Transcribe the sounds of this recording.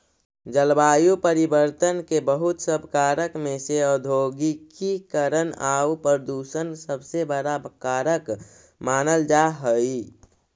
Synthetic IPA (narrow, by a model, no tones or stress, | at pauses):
d͡ʒəlbaːjupəɾibəɾt̪ənkebəɦʊt̪səbʱkaːɾəkmẽseɔd̪ʱoːɡikikəɾənaupɾəd̪uːsənsəbsebəɽakaːɾək | maːnəld͡ʒaɦəi